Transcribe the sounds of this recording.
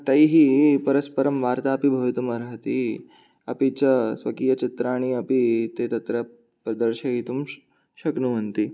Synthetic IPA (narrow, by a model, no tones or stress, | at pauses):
t̪aiɦiːpɐɾəspəɾəmʋaɾt̪aːpibʱɐʋit̪uməɾɦət̪i | ɐ̰pit͡ɕasʋɐkijət͡ɕit̪ɾaːɽ̃iɐpit̪et̪ɐt̪ɾa | pɾɐd̪əɾɕaɦit̪um | ɕɐknumənt̪i